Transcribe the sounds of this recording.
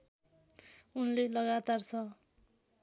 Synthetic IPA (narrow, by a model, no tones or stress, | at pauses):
unlelʌɡat̪art͡sʰʌ